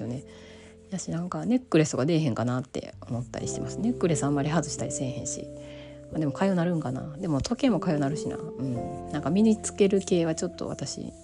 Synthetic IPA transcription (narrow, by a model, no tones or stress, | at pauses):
jone̞ | jaɕinãŋkane̞kːɯ̟ɾe̞sɨt̪oɡad̪e̞ːɦẽ̞ŋkanat̪ːe̞̰o̞mo̞t̪ːa̰ɾʲḭɕi̥t̪e̞̰masɨ̥ne̞kːɯ̟ɾe̞samːaɾʲihazɨɕi̥t̪aɾʲisẽ̞ɰ̃hẽ̞ɰ̃ɕḭ | maːd̪e̞mo̞kʰaionaɾɯ̟̃ŋkana̰d̪e̞mo̞t̪ʰo̞ke̞ːmːo̞kaionaɾɯ̟ɕina̰ɯ̟̃ɴnãŋkamʲiɲit͡sɨ̥ke̞ɾɯ̟ke̞ːβat͡ɕo̞t̪ːo̞̰βa̰t̪aɕḭ